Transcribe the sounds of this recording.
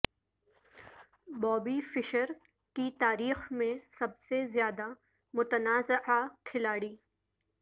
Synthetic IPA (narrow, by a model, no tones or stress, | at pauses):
bɔːbifɪʃəɾ | kit̪aːɾiːxmẽsɐbsezjaːd̪a | mʊt̪ənaːzɪʕakʰɪlaːɽiː